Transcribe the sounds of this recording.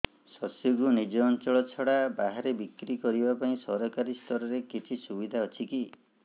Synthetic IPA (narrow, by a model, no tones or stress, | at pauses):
sɔsjuɡunid͡ʒɔːnt͡ʃɔɭɔt͡ʃʰɔɽabaɦaɾebikɾikɔɾibapaĩsɔɾɔkaɾist̪ʰɔɾɔɾekit͡ʃʰisubid̪ʱaɔt͡ʃʰiki